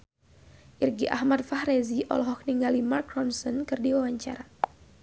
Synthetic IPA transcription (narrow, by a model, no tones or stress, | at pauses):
ʔirɡiʔahmat̪̚fahɾeziʔɔ̰lɔɦɔk̚niŋɡalimarkrɔnsɔnkɨrdiwawaɲt͡ʃaɾa